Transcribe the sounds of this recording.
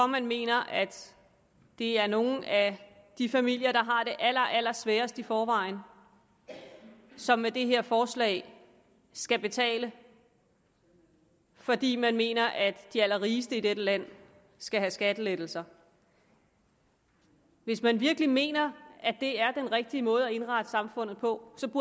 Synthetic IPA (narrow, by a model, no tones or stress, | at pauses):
ɒ̽mænme̝̰ːnɐʔæd̥ | d̥e̝æɐno̝ːn̩æd̥ifæmil̰jɐɾ̥ɑ̈ɦɑ̈ɾ̥e̝ʔæl̰ɐʔæl̰ɐsʋɛːɐsd̥ifɒːʋɑ̈ɪ̰n | sɒ̽mːed̥e̝ɦe̝ɐ̰fɒːslɛ̰ːɪ | sɡ̥æb̥e̝t͡sʰɛ̰ːlə | fɒ̽d̥ḭːmænme̝̰ːnɐʔæd̥ːiæl̰ɐʁiːsd̥əid̥eɾ̥əlæn̰ | sɡ̥æɦæsɡ̥æd̥əled̥l̩sɐ | ʋe̝smænʋiɐɡ̥lime̝̰ːnɐædd̥e̝æɐd̥enʁeɡ̥̚d̥iəmɔ̽ːð̞̩ˠɒe̝nʁɑ̈d̥əsɑ̈mfɔ̽n̰ð̞̩ˠpʰɒ̽sɒ̽b̥uɐ